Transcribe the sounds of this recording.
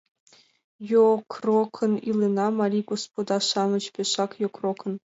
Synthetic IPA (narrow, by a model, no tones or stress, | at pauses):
jokʰrokʰɤ̆nilʲˠenɑmɑɾʲiɡospod̪ɑʂɑmɤ̆t͡ɕpʲeʂɑkjokrokʰɤ̆n